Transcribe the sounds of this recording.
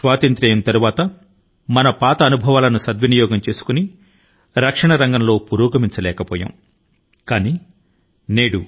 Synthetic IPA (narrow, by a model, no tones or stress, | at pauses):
sʋaːt̪ɐnt̪ɾɐjɐnt̪ɐɾuʋaːt̪ɐ | mɐnɐpaːt̪ɐːnubʱɐʋaːlɐnusɐd̪ʋɐnijɔːɡɐmt͡ʃe̞ːsu̥kuni | ɾɐkʂɐɳɐɾɐŋɡɐmlo̞ːpuɾuːɡɐmiɲt͡ʃɐlɛːkɐpɔːja̰ːm | kaːni | neːɽu